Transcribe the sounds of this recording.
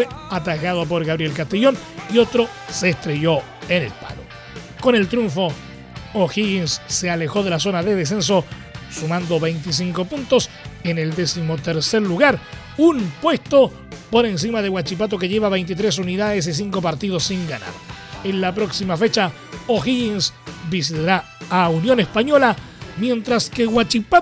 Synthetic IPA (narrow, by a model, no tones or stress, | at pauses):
fweat̪aɣað̞op̬o̞ɾɣaβɾie̞lk̬ast̪eʝo̞nio̞t̪ɾo̞ | seːst̪ɾe̞ʝo̞ | enḛlpa̰lo̰ | ko̞ne̞lt̪ɾjuɱfo̞ | oxiɣinsːe̞ale̞xo̞ðe̞las̬o̞naðe̞ð̞es̬e̞ns̬o̞ | sumãnd̪o̞βe̞jnt̪is̬iŋko̞punt̪os | e̞ne̞ld̪e̞simo̞t̪eɾse̞ɾluɣaɾ | unpwe̞st̪o̞ | po̞ɾe̞ns̬imaðe̞ɣwat͡ʃip̬at̪̬o̞ke̞ʝe̞βaβe̞jnt̪̬it̪ɾes̬uniðaðes̬is̬iŋko̞paɾt̪iðo̞sːiŋɡana̰ðe̞nlapɾo̞ksimafe̞t͡ʃa | oxiɣinsbis̬it̪aɾa | aunjo̞nespaɲo̞la | mje̞nt̪ɾaskeɣwat͡ʃipa